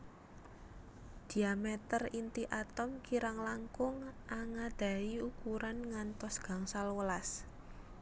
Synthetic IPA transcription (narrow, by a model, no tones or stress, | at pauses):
d̪̥i̤amɛt̪ərint̪iʔat̪ɔmkiɾaŋlaŋkʊŋʔaŋad̪̥a̤iukuɾanŋant̪ɔsɡ̥a̤ŋsalwəlas